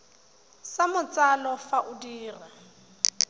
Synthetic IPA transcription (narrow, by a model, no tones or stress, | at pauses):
samʊt͡salɔfaʔʊdiːra